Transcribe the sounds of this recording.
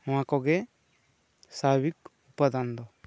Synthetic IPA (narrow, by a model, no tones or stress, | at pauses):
ãkɔɡe | sabik | upad̪and̪ɔ